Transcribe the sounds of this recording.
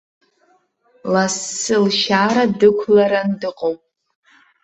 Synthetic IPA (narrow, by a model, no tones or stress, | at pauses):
lasːɨlʃaːɾadɨkʷʰlaɾandɨqʼowpʼ